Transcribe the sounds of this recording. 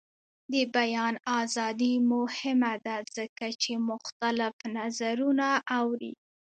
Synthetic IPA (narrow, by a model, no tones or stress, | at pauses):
d̪əbajɑnɑzɑd̪imʊhɪmad̪az̥əkat͡ʃemʊxt̪alɪfnazaɾunaʔːwɾḭ